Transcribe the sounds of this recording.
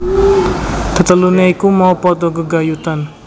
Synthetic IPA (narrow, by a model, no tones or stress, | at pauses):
d̪̥ə̤t̪əluneikumawpɔd̪oɡəɡajut̪an